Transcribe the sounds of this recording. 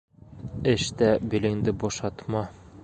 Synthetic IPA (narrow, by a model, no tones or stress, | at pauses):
ɘʃt̪æbɘ̆lɘ̆ŋd̪ɘbɒʃɑt̪mɑ